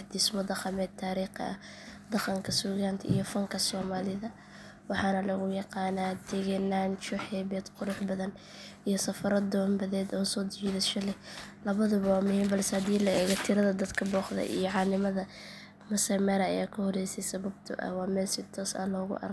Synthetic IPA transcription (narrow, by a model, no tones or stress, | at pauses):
d̪ɪsmɔd̪ɐqɑmɛːd̪̚t̪ʰːaːɾiːqɐ̰ʔɐ̰ | d̪ɑqɑŋkʰɐsuːɣaːnt̪ʰɐḭjɔfɐŋkʰɐsɔːmaːlɪðɐ | wɑħɑːnɐlɐɣʊjɑqɑːnaːt̪ʰɛɣɛnaːnt͡ʃɔħɛːbɛːd̪qʊɾʊħbɐðɐn | ʔijɔsɐfɐɾɐd̪ɔːmbɐðɛːd̪ɔːsɔːd̪ɪt͡ʃiːðɛʃɐlɛlɐβɐðʊβwːmʊhɛːmbɐlsɛhɐd̪iːlɐɛːɣɐt̪ʰɪɾɐðɐd̪ɐd̪kʰɐbɔːχd̪ɐ̰ʔḭjɔʕɑːnɪmɐðɐ | mɐsɐmɛːɾɐɐ̰jaːkʰɐhɔrɛjsɛjsɐβɐb̚t̪ʰʊ̰ʔɐ̰hwɑːmɛːlsɪt̪ʰɔːsa̰ːlɔːɣʊ̰ʔɐ̰rʰ